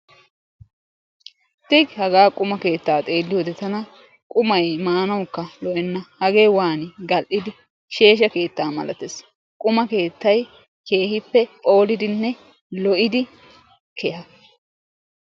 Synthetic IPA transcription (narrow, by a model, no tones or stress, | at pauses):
t̪ɪɡhɐɡaːkʼʊmɐke̞ːt̪ːaːt̪ʼe̞ːlːɪjoːd̪ɛt̪ɐnɐ | kʼʊmɐjmaːnɐwkːɐlɔʔɛnːɐhɐɡeːwaːnɪɡɐlʔɪd̪ɪ | ʃe̞ːʃ̬ɐke̞ːt̪ːaːmɐ̰lɐ̰t̪es | kʼʊmɐke̞ːt̪ːɐj | ke̞ːhɪpːɛpʼo̞ːlɪd̪ɪnːɛ | lɔʔɪd̪ɪ | kʰɛhɐ